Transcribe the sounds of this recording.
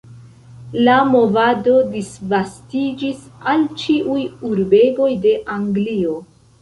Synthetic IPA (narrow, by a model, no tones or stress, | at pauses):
lamo̞vado̞disvastid͡ʒisalt͡ʃiʔujuɾbe̞ɡo̞jde̞ʔaŋɡlio̞